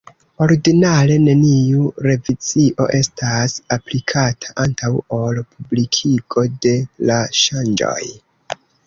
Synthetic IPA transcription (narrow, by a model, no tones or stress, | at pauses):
o̞ɾiɡinale̞ne̞niuɾe̞vid͡ziʔo̞̰ʔe̞stasaplikʰatʰḁʔantʰawo̞lpʰublikʰiɡo̞de̞laʃand͡ʒo̞̰j